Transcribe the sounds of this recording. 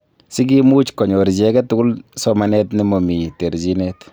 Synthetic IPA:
sɪ˦ɡ̬imu˦t͡ʃkɔ˨ɲo˨ɾi˨d͡ʒɛ˦kɛtʊ˦ɡʊ˦lsɔma˦nɛ˦tni˦mo˨mi˨te˨ɾzinɛt

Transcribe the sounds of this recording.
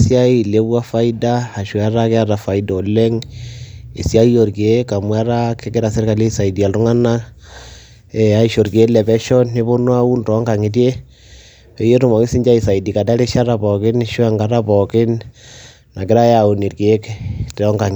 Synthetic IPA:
sja˦i˦le˦βwa˦fa˦i˦daː˦˨ʃwa˦ɾa˦ke˦a˦ɾa˨fa˨i˦dɔ˨le˦ŋ | i˨sja˦i˦jo˨ɾke˦ka˨mwa˦ɾa˦ke˦ke˦ɾa˨se˦ɾka˨le˦i˦sa˨i˨di˨a˨ltu˦ŋa˦na˦ | ɛ˨a˦i˦ʃo˨ɾke˦lɛ˨bɛ˦ʃɔ˦ni˦βo˦nwa˦u˦ntɔ˨˦ŋɡa˨ŋi˨t̬e˦ | e˨˦je˦tu˦ma˨ŋi˦si˦ɲd͡ʒa˦i˨sa˨i˨di˨ka˨da˦ɾe˦ʃa˦ɾa˨pɔ˨kɪ˦nʃwa˨ŋɡa˦ɾa˦pɔ˨kɪ˦n | na˨kɪ˦ɾa˦ja˨u˨ni˨ɾke˦ktɛ˦ɔ˦ŋɡa˨ŋ

